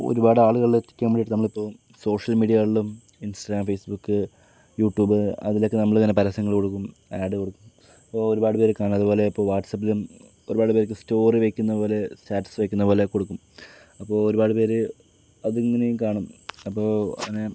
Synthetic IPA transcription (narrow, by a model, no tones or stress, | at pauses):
o̰ɾubaːɽɨaːɭuɣɐɭietːi̥kʲːɐmɐɽiʈːɨnɐmːɐɭipːoːm | so̞ːʂɐlmiːɖijɐɭːum | insʈɐɣɾaːmfejsbukːɨ | juːʈːjuːbɨɐ̰ðilo̞kːenɐmːɐɭŋɐːnepɐɾɐsɐŋːɐɭko̞ɽukːum | aːɖɨkoɽukːum | ɐpːoːoɾubaːɽɨpeːɾɨkaːɳuɐðuboːleipːo̞ːʋaːʈːsɐpːilum | o̞ɾubaːɽɨpeɾekːɨsto̞ːriʋekʲːunːɐpoːle̞staːʈːsʋekʲːunːɐpoːle̞ko̞ɽukːum | ɐpːo̞ːoɾubaːɽɨpe̞ːɾɨ | ɐðeŋːinejkaːɳumɐpːo̞ːɐ̰ŋːɐne